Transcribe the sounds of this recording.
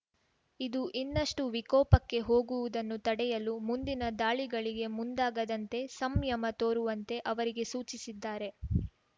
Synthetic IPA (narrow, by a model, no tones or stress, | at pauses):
id̪uʔinːɐʂʈuʋikɔːpɐkːe̞ɦo̞ːɡuʋud̪ɐnːut̪ɐɽɛjɐlumund̪inɐd̪aːɭiɡɐɭiɡe̞mund̪aːɡɐd̪ɐnt̪e̞sɐmjɐmɐt̪o̞ːɾuʋɐnt̪e̞ʔɐʋɐɾiɡe̞suːt͡ʃisid̪ːaːɾe̞